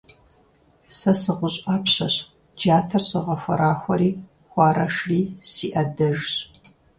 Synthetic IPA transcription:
sɐsɨʁʷʊɕʼaːpɕɐɕ | d͡ʒaːtʰɐrɕɐʁɐfʷɐ̰ɾaːxʷɔɾiː | xʷɑːɾɐʂriːsiːʔɐdɐʒɕ

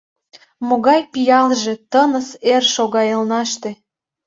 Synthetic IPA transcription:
moɣɑjpijɑlʒet̪ənəserʃoɣɑjəlnɑʃt̪ĕ

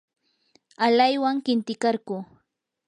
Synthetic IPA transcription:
alajwaŋkɪnt̪ɪkaɾɢuː

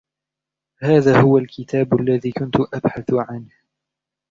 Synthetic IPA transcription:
haːðaːhʊwalkɪt̪aːbʔalːaðiːkʊnt̪ʊʔabħaθʊʕanh

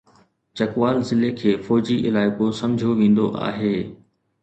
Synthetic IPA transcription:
t͡ɕɐkʋaːlzɪlekʰeːfɔːd͡ʑiʔɪlaːɪkosɐ̃md͡ʑʱoʋẽːn̆d̪oʔa̰ːɦeː

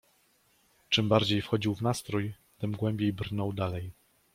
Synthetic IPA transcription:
t͡ʂɘmbaɾd͡ʑejfxɔd͡ʑiwvnast̪ɾuj | t̪ɘmɡwɛmbʲjejbrnɔwd̪alɛj

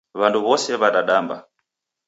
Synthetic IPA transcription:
βanduβɔsɛβaɗaɗamba

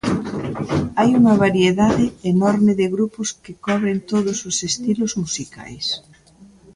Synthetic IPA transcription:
ajuŋɐβaɾieðaðɪːnɔɾmɪðɪɣɾupʊskɪkɔβɾent̪oðʊsʊsest̪ilʊzmusika̰js

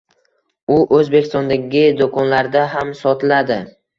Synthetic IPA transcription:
ʊʔɵzbekʲɪ̥st̪ɒnd̪aɡʲɪd̪okʰɒnlaɾd̪aɦamsɒt̪ʰɪlad̪ɪ

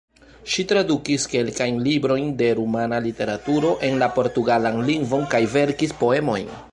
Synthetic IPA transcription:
ʃitɾadukiske̞lkajnlibɾo̞jnde̞ɾumanalite̞ɾatuɾo̞ʔe̞nlapo̞ɾtuɡalanliŋɡvo̞nkajve̞ɾkispo̞e̞mo̞jn

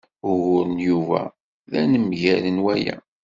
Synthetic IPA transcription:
ʊɣʊɾənjuvæ̰ | ðænəmʝælənwæjæ̰

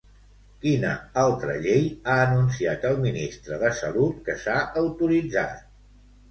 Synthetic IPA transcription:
kinə̰alˠt̪ɾə̰ʎejaənuns̬iat̪əlˠminist̪ɾəðəsəlut̪kəsaʔəwt̪uɾid͡za̰t̪̚

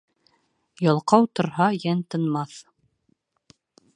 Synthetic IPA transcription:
jɑlˠqɑwt̪ŏɾhɑjænt̪ɤ̆nmɑθ

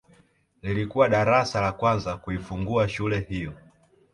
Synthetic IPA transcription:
lilikuwaɗaɾasalakwanzakuifuŋɡuaʃulɛhijɔ

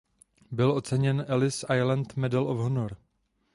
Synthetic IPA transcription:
bɪlʔo̞t͡sɛɲɛnʔɛlɪsʔajlant̪mɛdɛlʔofɦonoɾ

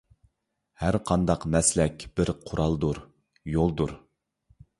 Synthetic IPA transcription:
hæɾqʰɑnd̪ɑqmɛslɛkʲb̥ɪɾqʰʊɾʔɑlˠd̪uɾ | jolˠd̪uɾ

